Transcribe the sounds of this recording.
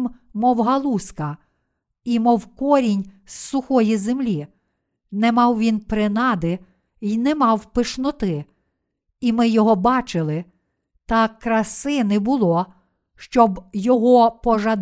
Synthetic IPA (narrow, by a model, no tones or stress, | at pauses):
m | mɔwɦɐlˠuskɐ | imɔwkɔɾʲinʲssʊxɔjizemlʲi | nɛmɑwʋʲinpɾɪnɑd̪ɪ | inɛmɑwpɪʃnɔt̪ɪ | imɪjɔɦɔbɑt͡ʃɪlˠɪ | t̪ɑkɾɐsɪnɪbʊlˠɔ | ʃt͡ʃɔbjɔɦɔpɔʒɐd̪